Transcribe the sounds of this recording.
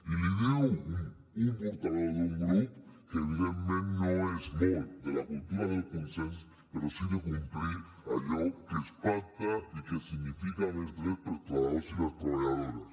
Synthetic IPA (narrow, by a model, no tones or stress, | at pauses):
iliðiu | umpoɾt̪aðoɾðuŋɡɾupkeβiðent̪mẽnnoesmold̪elakult̪uɾaðelkonsẽnso̥ | keɾosiðekumpliɾ | aʎokespant̪aikesiɣnifikanezd̪ɾespeɾt̪aðosilaskolaðoɾas